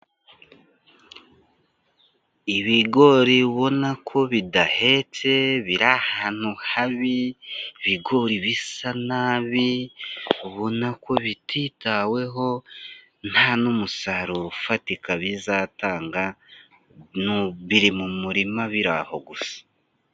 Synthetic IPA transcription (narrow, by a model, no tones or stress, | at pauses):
iβiɡo̞ɾiβo̞nakʰo̞βidahe̞t͡se̞βiɾahaːn̥huhaβiβiɡo̞ɾiβisanaːβi | βo̞nako̞βitʰitawe̞ɦo̞ | n̥haːnumusaɾufatikaβizaːtaːŋɡa | nuβiɾimumuɾimaβiɾa̰ho̞ɡusḁ